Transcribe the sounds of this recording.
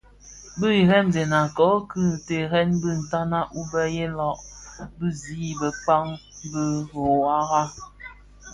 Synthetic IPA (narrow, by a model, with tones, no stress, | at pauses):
bə˦i˨ɾɛ˦mzɛ˨na˨kɔ˨˦kɨ˦˨te˨ɾɛ˦nbə˦˨n̩˨ta˦na˦ʔu˦bɛ˦je˦lɔ˨ʔbə˦ziː˦bə˨k͡pa˦ŋbə˦ɣo˨a˦ɣa˦